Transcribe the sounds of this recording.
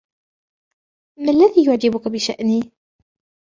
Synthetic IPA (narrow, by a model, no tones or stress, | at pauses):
malːaðiːjʊʕd͡ʒɪbʊkabɪʃa̰ʔniː